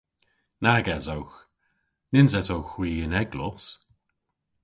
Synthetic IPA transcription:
naɡɛzowx | nɪnzɛzowxwiːənɛɡlɔs

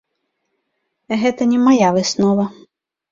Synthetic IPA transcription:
ɦɛt̪ɐnʲɛmɐjaʋɪsnɔʋɐ

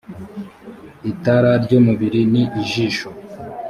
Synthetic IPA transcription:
itaɾaɾɟomuβiɾiniʔːʒiːʃo

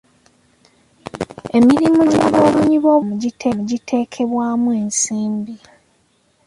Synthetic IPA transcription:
e̞miɾimuɟiiβo̞ːβuɲiβo̞ːmuɟitʰemuɟitʰe̞ːkʰe̞βwaːmue̞ːnsiːmbi

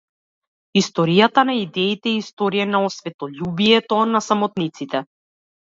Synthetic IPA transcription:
ist̪ɔɾijat̪anaid̪ɛit̪ɛist̪ɔɾiɛnaɔsvɛt̪ɔʎubijɛt̪ɔnasamɔt̪nit̪sit̪ɛ

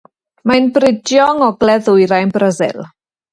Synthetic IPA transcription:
majnbrɪdjɔŋɔɡlɛðʊjɾajnbrəzɪ̰lˠ

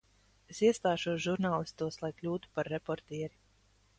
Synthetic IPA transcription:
esiɛst̪aːʃuɔsʒuɾnaːlˠist̪uɔslˠajklʲuːt̪u̥paɾːepɔɾt̪iɛɾi

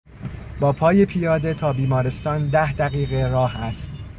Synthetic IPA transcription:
bɒːpʰɒːje̞pʰijɒːd̪e̞t̪ʰɒːbiːmɒːɾe̞st̪ɒːnd̪æhd̪æɣiːɣe̞ɾɒːhæst̪

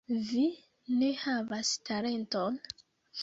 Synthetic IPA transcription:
vi | ne̞havastʰaɾe̞nto̞n

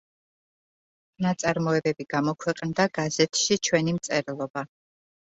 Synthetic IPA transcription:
nat̪sʼaɾmɔɛbɛbiɡamɔkʰwɛqʼnd̪aɡ̥azɛt̪ʰʃit͡ʃʰwɛnimt̪sʼɛɾlˠɔba

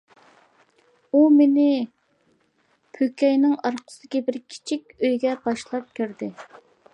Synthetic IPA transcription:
umenɪ | pʰøkʲɛjnɪŋɑɾqʰə̥sd̪̥ɪkʲibɪɾkʲʰi̥t͡ʃʰikʲøjɡʲɛbɑʃlˠɑp̚kʲʰyɾd̪ɪ

